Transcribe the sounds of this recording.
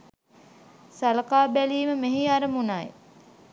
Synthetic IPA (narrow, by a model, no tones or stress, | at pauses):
salɐkaːbæliːməmeɦiaɾəmunajḛ